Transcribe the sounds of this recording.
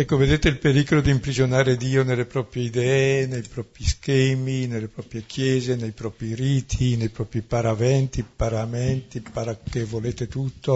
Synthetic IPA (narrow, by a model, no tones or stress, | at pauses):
ɛkːoved̪eːt̪eilpeɾikolod̪iːmpɾizonaːɾed̪iːonelːepɾɔpɾjeid̪ɛenejpɾɔːpɾiskɛːminelːepɾɔːpɾjekʰjɛːzenejpɾɔːpɾiɾiːt̪ʰinejpɾɔːpɾipaɾavɛnt̪ipaɾamɛnt̪ipaɾakːevoleːt̪et̪ut̪ʰːo